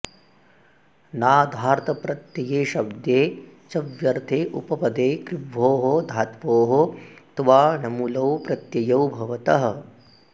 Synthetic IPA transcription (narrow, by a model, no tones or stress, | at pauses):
naːd̪ʱaːɾt̪ɐpɾɐt̪jɐjeːʃɐbd̪jeːt͡ʃɐʋjɐɾt̪ʰeːʔupɐpɐd̪eːkɾɪʋːoːɦod̪ʱaːt̪ʋoːɦot̪ʋaːnɐmuːlɐwpɾɐt̪jɐjɐwbʱɐʋɐt̪ɐɦɐ̆